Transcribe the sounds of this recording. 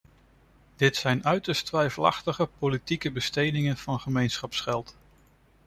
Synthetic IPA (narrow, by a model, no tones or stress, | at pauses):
d̥ɪtsɛjnœɥtəɹstʋɛjfəlɑ̰χtəχəpolitikəbəstejdɪŋənv̥ɑnχəmejnsχɑpsχɛlˠt